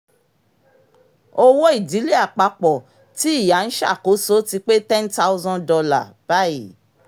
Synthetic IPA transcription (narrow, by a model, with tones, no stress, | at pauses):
o˦wo˦i˦˨di˨˦li˦a˦˨k͡pa˧k͡pɔ˨ | ti˨˦i˦˨ja˨n̩˦ʃa̰˦˨ko˨˦so˦ti˧k͡pe˦tɛ̃˦n˦ta˦u˦zɔ̃˦dɔ˧la˦˨b̥a˦i˨